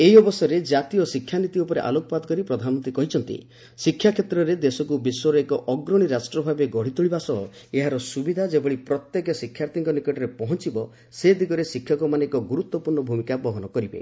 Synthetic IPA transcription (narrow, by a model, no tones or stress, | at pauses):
eɦiɔbɔsɔɾed͡ʒat̪ijɔsikʰːjanit̪iupɔɾḛʔa̰lokɔpad̪ɔkɔɾipɾɔd̪ʱanmɔnt̪ɾikɔɦit͡ʃʰɔnt̪ḭ | sikʰːjakʰjet̪ɾɔɾed̪esɔkubisɔɾɔekɔʔɔɡɾɔɽ̃iɾasʈɾɔbʱabeɡɔɽ̤it̪uɭibasɔɦɔ | eɦaɾɔsubid̪ʱad͡ʒebɔɭipɾɔt̪jekɔsikʰːjaɾt̪iŋkɔnikɔʈɔɾepɔɦɔnt͡ʃibɔ | sed̪ʱiɡɔɾesikʰːjɔkɔmaneekɔɡuɾut̪wɔpuɾɳɔbʱumikabɔɦɔnɔkɔɾibḛ